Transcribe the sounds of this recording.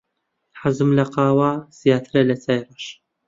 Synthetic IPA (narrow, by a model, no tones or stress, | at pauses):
ħazɨmlɐqɑːwaːz̥ijaːt̪ʰɨɾɐlɐt͡saːjɾˤɑʃ